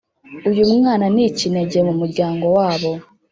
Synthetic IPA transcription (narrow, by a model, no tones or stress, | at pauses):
ujumŋaːnanicineɟemumuɾɟaːŋɡo̞waːβo̞